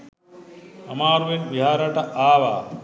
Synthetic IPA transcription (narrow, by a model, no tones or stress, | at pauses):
ɐmaːɾuʋenʋiɦaːɾɐʈɐʔaːʋa̰ː